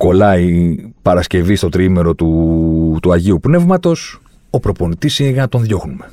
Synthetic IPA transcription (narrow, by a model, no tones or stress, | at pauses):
ko̞lɐipɐɾɐsce̞vist̪o̞t̪ɾime̞ɾo̞t̪ut̪uɐʝiupne̞vmɐt̪o̞s | opɾo̞po̞nit̪isinɣɐt̪o̞nðʝo̞xnume̞